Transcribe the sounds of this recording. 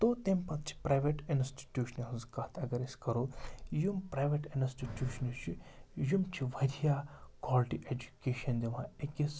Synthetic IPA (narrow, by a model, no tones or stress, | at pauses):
t̪ot̪empɐt̪̚t͡ʃʰi̥pɾajʋeʈɪnsʈi̥ʈʲjuːʃɐnɐlzkat̪ʰɐɡɐɾeskɐɾoːjumpɾaːjʋeʈɪnsʈiʈjuːʃɐnit͡ʃʰijumt͡ʃʰiʋɐd̪ʱijakwaːlʈḭʔed͡ʒu̥keːʃɐnd̪iʋãːekis